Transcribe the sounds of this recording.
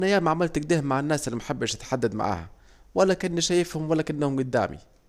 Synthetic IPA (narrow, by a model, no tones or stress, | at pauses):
næjaːmaʕamɪlt̪ɪɡd̪ɪhmːaʕanːaːsɪlːimaħɪbːæʃɪt̪ħad̪ːad̪ma̰ʕa̰ːhæ | wælːækɪnːiʃæjɪfhʊmwælːækɪnːhʊmɡʊd̪ːa̰ːmḭ